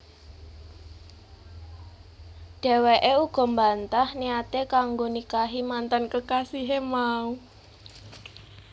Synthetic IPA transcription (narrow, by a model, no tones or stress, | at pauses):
ɖ̥ɛ̤weʔeuɡ̥ɔ̤mbant̪ahniat̪ekaŋɡonikaɦimant̪ankəkasiɦemau